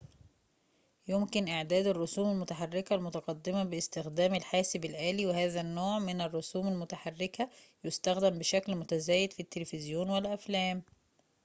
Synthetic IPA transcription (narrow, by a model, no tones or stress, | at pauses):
jomkɪnʔɪʕd̪æːd̪ɪrˤːosuːmælmʊt̪aħarːɪkælmʊt̪ɑqɑd̪ːɪmæbɪst̪ɪxd̪æːmɪlħaːsɪbɪlʔæːliːwehæːðænːoːʕmɪnɪrˤːosuːmælmʊt̪aħarːɪkæjʊst̪æxd̪æmbeʃæklmʊt̪æzæːjɪd̪fit̪ːelfɪzjoːnwelʔæflæːm